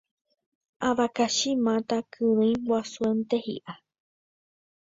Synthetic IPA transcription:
aβakaʃimãt̪akʰɨɾ̃ɨ̃j̃wasuent̪ehḭʔa

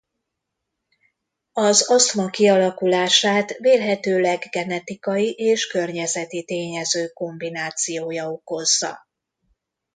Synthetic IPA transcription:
ɒzɒsmɒkiɒlɒkulaːʃaːt̪veːlɦɛt̪øːlɛɡɡɛnɛt̪ikɒjiʔeːʃkø̞rɲɛzɛt̪it̪eːɲɛzøːko̞mbinaːt̪sijoːjɒo̞ko̞zːɒ̰

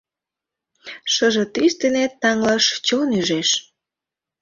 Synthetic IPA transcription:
ʃəʒĕt̪yst̪enet̪ːɑŋlɑʃt͡ɕonyʒeʃ

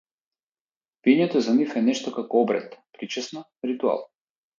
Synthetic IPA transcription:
piɛɲɛt̪ɔzanifɛnɛʃt̪ɔkakɔɔbɾɛ̰t̪pɾit͡ʃɛsna | ɾit̪ua̰lˠ

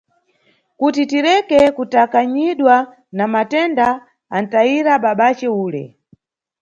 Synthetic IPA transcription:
kutitiɾɛkɛkutakaɲiɗwa | namatɛnda | an̩taiɾaɓaɓat͡ʃɛuːlɛ̰

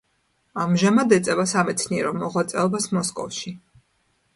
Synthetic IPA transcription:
amʒamad̪ɛt̪sʼɛvasamɛt̪sʰniɛɾɔmɔʁwat̪sʼɛɔbasmɔskʼɔfʃi

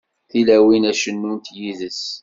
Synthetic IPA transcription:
θilæwinæʃənːunt̪jiðəs

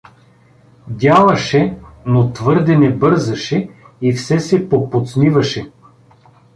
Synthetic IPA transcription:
d̪ʲjalˠɐʃɛnot̪vɤɾd̪ɛnɛbɤɾzɐʃɛ | ifsɛsɛpopot̪snivɐʃɛ

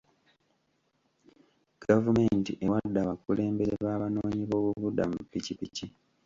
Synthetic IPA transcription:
ɡ̥avume̞ntiʔe̞wadːaβakule̞ːmbe̞ɾeβaːβano̞ːɲiβo̞ːβuβudːamupːicipici

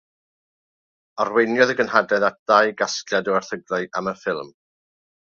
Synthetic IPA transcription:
arwejnjɔðəɡənɦadɛðat̚d̥ajɡaskljadəarθəɡraɨʔaməfɪlˠm

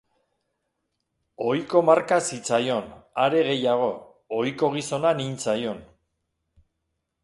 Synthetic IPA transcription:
o̞jko̞maɾkasit͡sajo̞naɾe̞ɣe̞jaɣ̞o̞ | ojko̞ɣ̞iso̞nanint͡sajo̞n

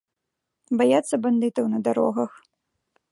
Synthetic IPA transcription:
bajat̪sːɐband̪ɨt̪ɐwnɐd̪aɾɔ̰ɣɐx

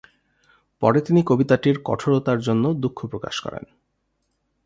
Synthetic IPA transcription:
pɔ̰ɾet̪inikobit̪aʈiɾkɔ̰ʈʰoɽot̪aɾd͡ʑonːod̪ukʰːopɾoka̰ʃkɔ̰ɾḛn

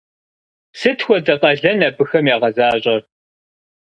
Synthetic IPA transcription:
sɨtʰxʷɔdɐqʼɐɮɐnɐbɨxɐmjaːʁɐzaːɕʼɐr

